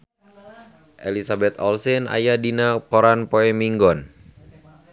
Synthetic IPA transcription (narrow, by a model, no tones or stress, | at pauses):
ʔelisabɛt̪ɔlsɛna̰jadinakɔɾanpoɛmiŋɡɔn